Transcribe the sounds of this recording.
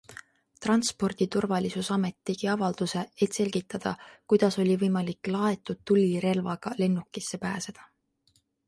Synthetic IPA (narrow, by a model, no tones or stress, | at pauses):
t̪rɑnspo̞rd̪̥it̪urvɑlʲisusɑme̞t̪ːeɡ̥iɑvɑld̪̥use̞et̪se̞lʲɡ̥it̪ːˑɑd̪̥ɑkujd̪̥ɑso̞lʲivɤjmɑlikːlɑe̞t̪ːˑud̪̥̚t̪ulʲːiɾe̞lvɑɡ̥ɑle̞nːukːˑisːe̞pæːse̞d̪̥ɑ